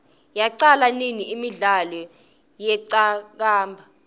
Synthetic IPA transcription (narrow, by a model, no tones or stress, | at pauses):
jaǀalaniniimiɮalɔ | jɛǀak̬aːmbʱa